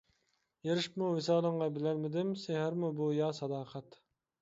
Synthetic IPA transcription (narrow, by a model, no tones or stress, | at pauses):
jeɾɪʃpmuvɪsɑːlˠəɴʁɑbɪlælmɪd̪ɪmsehɪɾmubujɑːsɑd̪ɑːqʰɛt̪